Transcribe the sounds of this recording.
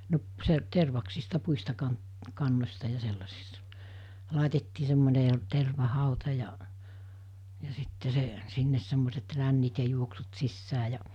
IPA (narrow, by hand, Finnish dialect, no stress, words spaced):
no se terʋɑksistɑ puistɑ kɑn kɑnːosʲtɑ jɑ selːɑsistɑ lɑˑitetːiː semːone terʋɑhɑˑutɑ jɑʔ jɑ sitːe se sinːes semːoset rænːit jɑ juoksut sisːæː jɑ